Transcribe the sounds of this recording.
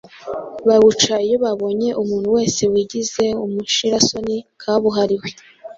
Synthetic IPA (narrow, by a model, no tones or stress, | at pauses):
βaβut͡ʃajeβaβo̞ɲe̞ʔumuːn̥huwe̞ːse̞wiɟize̞umuʃiɾaso̞nikʰaβuɦaɾiwe